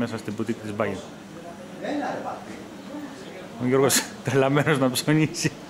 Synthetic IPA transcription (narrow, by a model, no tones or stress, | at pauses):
mesɐst̪ibut̪ik̪it̪izbɐʝen | oʝo̞ɾɣost̪elɐmenoznɐpsoɲisi